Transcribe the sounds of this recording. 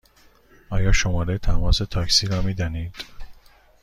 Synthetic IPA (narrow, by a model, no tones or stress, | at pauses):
ɒːjɒːʃomɒːɾejt̪ʰæmɒːse̞t̪ʰɒːksiːɾɒːmiːd̪ɒniːd̪̥